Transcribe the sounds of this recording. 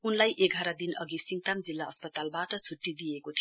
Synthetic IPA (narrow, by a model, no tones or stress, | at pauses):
unlajʔeɡʱaɾad̪inʌɡisiŋt̪amd͡zilːaʌspʌt̪albaʈʌt͡sʰuʈːid̪ijekot̪ʰi